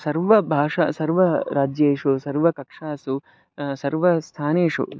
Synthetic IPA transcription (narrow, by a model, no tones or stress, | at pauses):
sɐɾʋɐbʱaːʂɐsɐɾʋɐɾaːd͡ʒjeːʂusɐɾʋɐkɐkʂaːsu | sɐɾʋɐst̪ʰaːneːʂṵ